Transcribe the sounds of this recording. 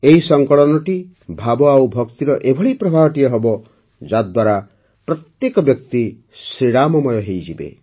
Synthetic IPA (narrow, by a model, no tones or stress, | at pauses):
eɦisɔŋkɔɭɔnɔʈi | bʱabɔawbʱɔkt̪iɾɔʔebʱɔɭipɾɔbʱaɦɔʈijɔɦɔbɔ | d͡ʒad̪waɾa | pɾɔt̪jekɔbjɔk̚t̪i | sɾiɽamɔmɔjɔɦejd͡ʒibḛ